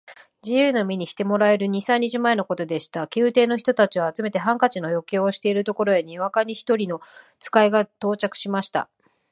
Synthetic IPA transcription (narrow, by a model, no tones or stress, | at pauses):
d͡ʑijɯ̟ːno̞mʲiɲ̟iɕi̥t̪e̞mo̞ɾae̞ɾɯ̟ɲ̟isãɲ̟ʲːiʑɨmae̞noko̞t̪o̞d̪e̞ɕi̥t̪akʲɨːt̪e̞ːno̞çi̥t̪o̞t̪at͡ɕiβaːt͡sɨme̞t̪e̞ɦãŋkat͡ɕino̞jo̞kʲoːɕi̥t̪e̞iɾɯ̟t̪o̞ko̞ɾo̞eɲ̟iβakaɲ̟içi̥t̪o̞ɾʲino̞ | t͡sɨ̥kaiɡat̪o̞ːt͡ɕakɯ̟̥ɕimaɕi̥t̪a̰